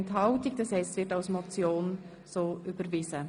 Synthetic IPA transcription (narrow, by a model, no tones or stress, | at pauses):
ntɦɑʊtɪk̚d̥ɑshɛɪstvɪtaʊsmɔt͡sjoːn | soːʔybəɾvɪzə